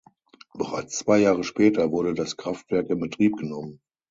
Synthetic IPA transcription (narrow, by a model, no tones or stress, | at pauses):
b̥əʁaɪt͡st͡sv̥aɪjaːʁ̞əʃpɛːtɐvʊɐɾədaskʁ̥aftv̥ɛɐk̚dɪɐbətʁ̥iːp̚ɡ̥ənɔmən